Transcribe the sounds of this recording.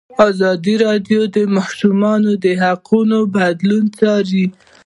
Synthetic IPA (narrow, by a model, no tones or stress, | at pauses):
ɑzɑd̪iɾɑɖjod̪əmɑʃumɑnod̪əɦaqʰunobad̪lunt͡sɑɾi